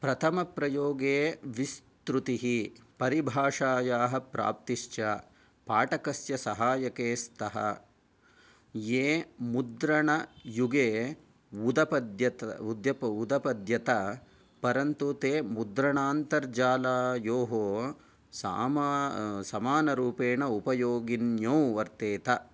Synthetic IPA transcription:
pɾɐt̪ʰɐmɐpɾɐjoːɡeːʋist̪ɾut̪iɦipɐɾibʱaːʂaːjaːɦɐ̆pɾa̰ːp̚t̪iʂt͡ʃɐ | paːʈɐkɐsjɐsɐɦaːjɐkeːst̪ʰɐɦɐ̰ | jeːmud̪ɾɐɳɐjuɡeː | ud̪ɐpɐd̪jɐt̪ɐud̪jɐpɐud̪ɐpɐd̪jɐt̪ɐ | pɐɾɐnt̪ut̪eːmud̪ɾɐɳaːnt̪ɐɾd͡ʒaːlaːjoːɦoː | sa̰ːmsɐmaːnɐɾuːpeːɳɐupɐjoːɡinjɐːʋɐɾt̪eːt̪ɐ

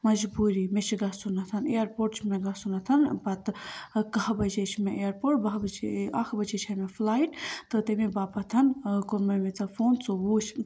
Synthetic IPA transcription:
mɐd͡ʒbuːɾimet͡ʃʰɡɐsunɐt̪ʰɐnejɐɾpoːʈt͡ʃʰmeɡɐsunɐt̪ʰɐnbɐt̪kɐɦbɐd͡ʒet͡ʃʰmeejɐɾpoːʈbɐɦbɐd͡ʒeɐkʰbɐd͡ʒet͡ʃʰɐmeflaːiʈt̪ɨt̪emebaːpɐt̪ʰɐnkonmɐmet͡sɐfoːnt͡soʋuːt͡ʃʰ

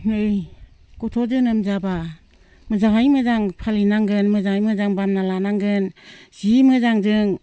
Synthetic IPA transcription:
mɯj | kɔtʰɔzɯnɯmzaba | mɯzaŋɦajmɯzaŋpʰalinaŋɡɯnmɯzaŋajmɯzaŋbamnalanaŋɡɯnz̥imɯzaŋzɯŋ

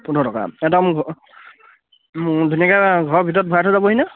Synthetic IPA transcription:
pundʱɔtɔka̰ɛdɔmʱ | dʱunakaɡʱɔɹɔbʱitɔt̚bʱɔjatʰɔzabɔɦina

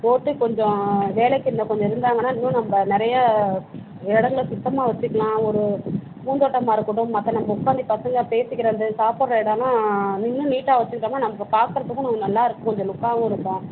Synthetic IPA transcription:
poːʈːɯkɔɲd͡ʒɔ̃ʋeːlɛkːɯɾnd̪ɐ̃kɔɲd͡ʒɔ̃ɪɾɯnd̪aːŋɡɐnːaːnɪŋːʊ̃nɐmbɐnɪɾɐjɐ | ɪɽɐŋɡɐlsʊt̪ːɐmaːʋɐt͡ʃːɯkːɐɭlãːɔɾɯ | puːnd̪oːʈːɐmaːɪɾɯkːɯɽʊ̃ːɐt̪ːɐ̃nɐmbɐʊkːaːnd̪ipɐsɐŋɡɐpeːsɪkːɪɾɐðɯsaːpoːɽɾɐɪɽalãːnɪŋːʊ̃niːʈːaːʋɐt͡ʃːɯkːɪɾaːnːaːnɐmɐkːɯpaːɾkɯɾɐt̪ːɯkːʊ̃nɐŋːnɐlːãːɪɾɯkːɯkɔɲd͡ʒɔ̃lʊkːaːʋʊ̃ɪɾɯkːʊ̃

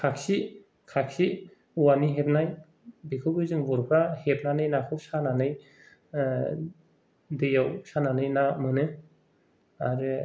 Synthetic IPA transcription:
kʰaksi | kʰak̚si | uwaniɦep̚naj | bikʰɯwbɯzɯŋbɔɾpʰɾahep̚nanɯjnakʰɯwsananɯj | dejawsananɯjnamɯnɯ | aɾɯ

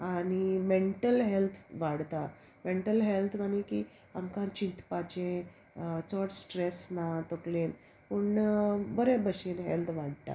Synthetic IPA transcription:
añimeɳʈəlɦelt̪ʰʋaɽt̪a | meɳʈəlɦelt̪ʰmañiki | amkãt͡ɕint̪pat͡ɕẽ | t͡sɔʈsʈɾesnat̪oklẽn | puɳbəɾẽbəɕenɦḛlt̪ʰʋaɽt̪a̰

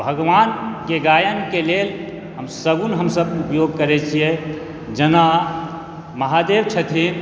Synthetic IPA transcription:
bʱəɡʋanɡeɡajənkelel | ɦəmsəbunɦəmsəbupjoɡ̚kəɾɛt͡ʃʰije | d͡ʒəna | məɦad̪eʋt͡ʃʰət̪ʰin

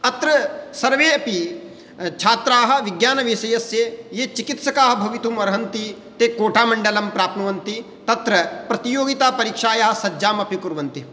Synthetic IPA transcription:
ɐt̪ɾɐsɐɾʋeːɐpi | t͡ʃʰaːt̪ɾaːɦɐ̆ʋiɡjaːnɐʋisɐjɐsjejeːt͡ʃikit̪sɐkaːɦɐ̆bʱɐʋit̪umɐɾɐɦɐnt̪i | t̪eːkoːʈʰaːmɐɳɖɐlɐmpɾaːpnɐʋɐnt̪i | t̪ɐt̪ɾɐpɾɐt̪ijoːɡit̪aːpɐɾiːkʂaːjɐɦɐ̆sɐd͡ʒaːmɐpikuɾʋɐnt̪i

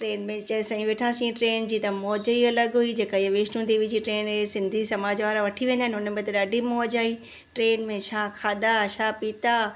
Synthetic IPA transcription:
ʈɾeːnmẽt͡ɕɐsɐ̃ĩʋeːʈʰãsĩːʈɾeːnd͡ʑiːt̪ɐmɔːd͡ʑəiɐləɡɦuid͡ʑeːkaɪaʋeːʃnũd̪eːʋid͡ʑiʈɾeːnɦesɪ̃nd̪ʱisɐmaːd͡ʑʋaːɾaʋɐʈʰiʋẽːnd̪aɦɪnʊnmẽt̪ɐɗaːɖʱimoːd͡ʑaːi | ʈɾeːnmẽt͡ʃʰaːkʰaːd̪aʃʰaːpiːt̪a

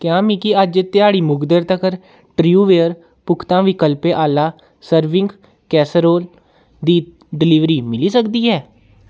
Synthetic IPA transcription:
kjãːmikɪəd͡ʒt̪ɪjaːɽiːmʊɡd̪əɾt̪əkəɾ | ʈɾiuːʋeːəɾ | pʊkʰt̪ãːʋikəlpeːʔaːlaː | səɾʋɪ̃ŋɡ | kɛːsəɾoːl | d̪iː | ɖɪlɪʋɾiːmɪliːsəkd̪iːɦɛː

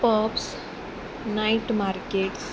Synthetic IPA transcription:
pɔps | naiʈmaɾkeʈs

